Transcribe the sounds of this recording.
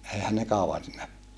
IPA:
ʔeihæn ne kɑuʋɑn siːnæ

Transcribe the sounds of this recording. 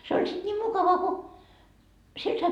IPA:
se olʲ sit niːm mukɑʋɑ ko siel sɑi

